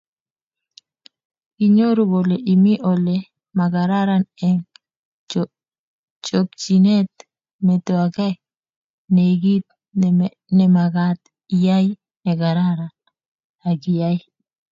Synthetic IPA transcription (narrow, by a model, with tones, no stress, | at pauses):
ɡi˨ɲo˦ɾo˦bo˨le˨ʔi˨mi˦ʔo˨le˨ | ma˨ɡa˨ɾa˦ɾa˦nɛ˨ŋ | t͡ʃo˨kt͡ʃi˨ne˦t̪̚ | mɛ˨t̪o˨a˨ɡa˦ | ne˨ɡi˦t̪̚ | nɛ˨ma˨ɡa˦t̪ | i˨ja˦j | nɛ˨ɡa˨ɾa˦ɾa˨n | a˨ɡi˨ja˦j